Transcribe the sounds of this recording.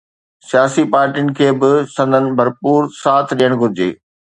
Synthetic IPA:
sijaːsipaːɾʈiʊnɪ̆kʰeːbɪsɐ̃nd̪ʱənɪ̆bʱɐɾpuːɾsaːt̪ʰɗijəɽ̃ɡʱʊɾɪd͡ʑḛː

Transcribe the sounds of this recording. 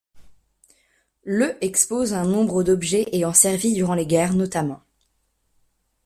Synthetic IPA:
løʔɛkspozɛ̃nɔ̃bʁəd̪ɔbʒɛʔeɑ̃sɛʁvid̪yʁɑ̃leɡʲɛʁnɔt̪amɑ̃

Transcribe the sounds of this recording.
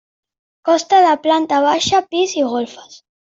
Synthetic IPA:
kɔst̪aðəplant̪aβ̞aʃapiziɣolfə̥s

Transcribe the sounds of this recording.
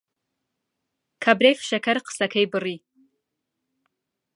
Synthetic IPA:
kʰɐbɾefʃɐkʰɐrqʰə̥sɐkʰɐjbɨriː

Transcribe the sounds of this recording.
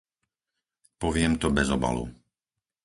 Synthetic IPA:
pɔʋɪɛmt̪ɔbɛzɔba̰lṵ

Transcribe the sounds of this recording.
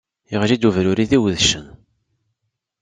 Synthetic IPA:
iʁlid̪uvɾuɾiðiwðʃən

